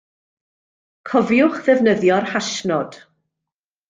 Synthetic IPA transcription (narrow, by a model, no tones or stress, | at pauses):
kʰɔvjʊχðɛvnəðjɔrhaʃnɔd̥